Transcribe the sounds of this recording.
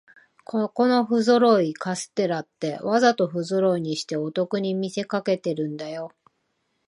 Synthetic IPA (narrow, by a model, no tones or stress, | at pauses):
kko̞no̞ɸɯ̟zoɾo̞ikasɨ̥t̪e̞ɾat̪ːe̞βazat̪o̞ɸɯ̟zoɾo̞iɲ̟iɕi̥t̪e̞ot̪o̞kɯ̟ɲ̟imʲise̞kake̞t̪e̞ɾɯ̟̃nd̪ajo̞